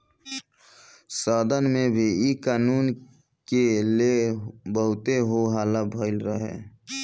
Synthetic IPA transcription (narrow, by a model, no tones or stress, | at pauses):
səd̪ənmẽbʱiikaːnuːn | kelebəɦʊt̪eɦoɦaːlabʱəɪlɾəɦḛ̃ː